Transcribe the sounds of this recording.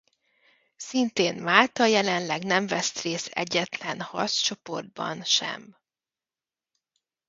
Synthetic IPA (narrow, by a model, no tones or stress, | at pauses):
sint̪eːnmaːlt̪ɒjɛlɛnlɛɡnɛɱvɛst̪reːsɛ̰ɟːɛt̪lɛnhɒ̰rst͡ʃo̞po̞̰rd̪̚bɒ̰nʃɛ̰m